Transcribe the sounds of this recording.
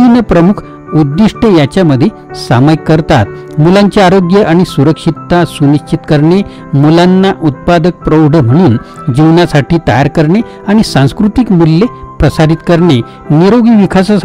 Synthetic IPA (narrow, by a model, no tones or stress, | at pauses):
inəpɾəmukʰ | ud̪ːiʂʈejat͡ɕjaməd̪ʱːje | sa̰məjkːəɾt̪a̰t̪ | mulaɲt͡ɕaaɾoɡjəʔaɽ̃isuɾəkʂit̪ːasuniɕt͡ɕit̪kəɾɳe | mulanːaʔut̪̚pad̪ək̚pɾowɖəm̤əɽ̃uːn | d͡ʑiʋnasaʈiːt̪əjaɾkəɾɳe | aɽ̃isãskɾut̪ikmulːepɾəsad̪it̪kəɾɳe | niɾoɡiʋikʰasas